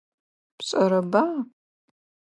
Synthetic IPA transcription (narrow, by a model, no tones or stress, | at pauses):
pɕʼɐɾɐbam